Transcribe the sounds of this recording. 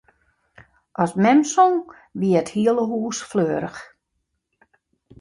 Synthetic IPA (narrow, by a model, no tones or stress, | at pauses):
ʔɔsmɛmsɔŋ | ʋiəəthiəlˠəɦuːsfløːəɾəx